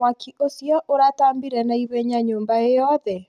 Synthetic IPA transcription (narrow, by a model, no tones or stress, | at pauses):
wakiʔosjɔʔoɾataːmbiɾɛnaiβeɲaɲoːmbaejɔðɛ